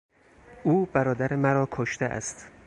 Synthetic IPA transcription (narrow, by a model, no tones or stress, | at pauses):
ʔuːbæɾɒːd̪æɾemæɾɒːkʰoʃt̪eʔæ̰st̪